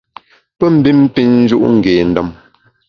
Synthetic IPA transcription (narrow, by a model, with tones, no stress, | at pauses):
pə˦m̩˨bi˦m̩˦pi˦nn̩˦d͡ʒu˦ʔŋ̩˨ɡeː˨n̩˨dɔ˦˨m